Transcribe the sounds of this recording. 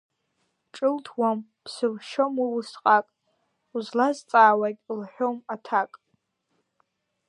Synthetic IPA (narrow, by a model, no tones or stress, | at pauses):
ʈ͡ʂʼɨltʰwampʰsɨvʃomiwʊsqʼakʼ | uzlazt͡sʼaːwakʲʼlħʷᶣomatʰakʼ